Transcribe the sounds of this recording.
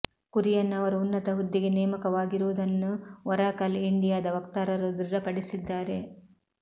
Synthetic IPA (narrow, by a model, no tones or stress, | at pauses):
kuɾijɐnːɐʋɐɾuunːɐt̪ɐɦud̪ːiɡe̞nɛːmɐkɐʋaːɡiɾuːd̪ɐnːuʋɐɾaːkɐliɳɖijaːd̪ɐʋɐkt̪aːɾɐɾud̪ɾiɾɐpɐɽisid̪ːaːɾe̞